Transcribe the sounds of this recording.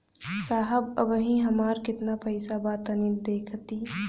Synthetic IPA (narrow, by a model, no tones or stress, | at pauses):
saːɦəbə̰bɦĩɦɐmaːɾkɪt̪napʰəɪsabaːt̪ənid̪eːkʰt̪iː